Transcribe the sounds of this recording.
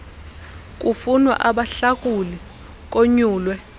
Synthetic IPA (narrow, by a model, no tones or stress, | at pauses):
kʼufunwa̰ʔaɓaɬakʼuli | k̬ʼoɲuːlwɛ